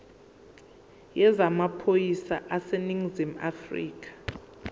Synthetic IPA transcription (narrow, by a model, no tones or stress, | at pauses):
jɛzamapʰojisa̰ʔaseniŋzima̰frḭːkʰʼḁ